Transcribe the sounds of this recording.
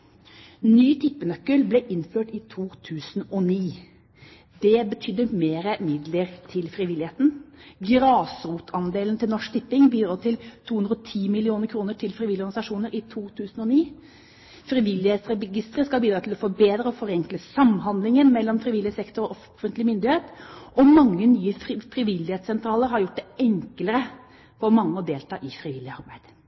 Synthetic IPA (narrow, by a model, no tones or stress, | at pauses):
nyːt̪ʰɪpːənœkːəlblɛʔɪnføːʈɪt̪ʰuːt̪ʰʉːsn̩ɔniː | d̪ɛbət̪ʰʏd̪ːəmeːɾəmɪd̪ləɾt̪ʰɪlfɾɪʋɪlɪeːt̪n̩ɡɾɑːsɾuːt̪ʰɑnd̪eːlnt̪ʰɪlnɔʂt̪ʰɪpːɪŋbiːd̪ɾɑːt̪ʰɪlt̪ʰuːʉnɾəɔt̪ʰiːmɪlɪuːnəɾkʰɾuːnəʈʰɪlfɾɪʋɪlɪɔɾɡɑnɪsɑʂuːnəɾɪt̪ʰuːt̪ʰʉːsn̩ɔniː | fɾɪʋɪlːɪheːt̪sɾɛɡɪst̪ɾəskɑlbiːd̪ɾɑːt̪ʰɪlɔfɔbeːd̪ɾəɔfɔɾɛŋkləsɑmɦɑnd̪lɪŋənmɛlːɔmfɾɪʋɪlːɪəsɛkt̪ɔɾɔʔɔffənt̪lɪmʏnd̪ɪheːt̪ʔɔmɑŋːənyːəfɾɪʋɪlːɪheːt̪sɛnt̪ʰɾɑːləɾhɑɾjʊʈ̚ːd̪ɛɛŋkləɾə | fɔɾmɑŋːəɔd̪eːlt̪ʰɑ̰ːʔɪfɾiʋɪlːɪəɑ̰ɾbæɪd̪̥